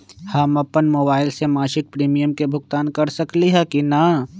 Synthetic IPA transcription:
hɐmɐpːənmoːbaːɪlsemaːʃɪk̚pɾiːmijəmkebʱʊɡt̪aːnkɐɾsɐkliɦɛkina

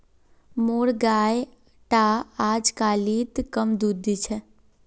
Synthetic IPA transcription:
moːɽɡaːj | ʈaaːd͡ʒkaːlit̪kəmd̪ud̪it͡ʃʰɛ

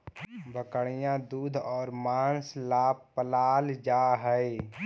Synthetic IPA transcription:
bəkəɽ̃ijãd̪uːd̪ʱɔːɾmaːnslaːbpəlaːld͡ʒaːɦəe

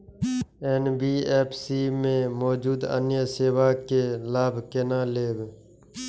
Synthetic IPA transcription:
enbiːeːpʰsiːmẽmoːd͡ʒuːd̪ə̰njəseːwaːkelaːbʱkenãːleːb

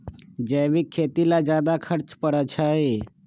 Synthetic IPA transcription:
d͡ʒɛːʋikʰːeːt̪ilad͡ʒjaːd̪akʰəɾt͡ʃpəɽat͡ʃʰaːeː

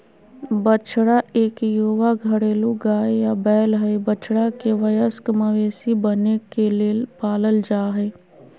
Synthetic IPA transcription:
bət͡ʃɽaeːkjuːʋaɡʱəɽeːluɡaːjabɛːlɦɛjbət͡ʃɽakeʋəjəskməʋeːsibənekeleːlpaːləld͡ʒaːɦɛː

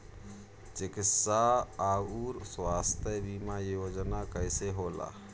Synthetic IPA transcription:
d͡ʒekisaauɾswast̪ʰjəbimajod͡ʒnakəɪseɦola̰

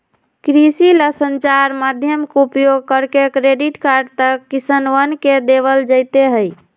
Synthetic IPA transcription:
kɾisiləsənt͡ʃaɾmad̪ʱjəmkupjoɡ̚kəɾkekɾeɖiʈkaɾɖt̪əkːisənʋənked̪eβəld͡ʒəjt̪eɦəj

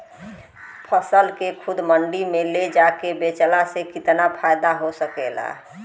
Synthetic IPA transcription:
pʰəsəlkekʰʊd̪məɳɖimẽled͡ʒakebet͡ʃəlasekɪt̪napʰajd̪aɦosəkela̰

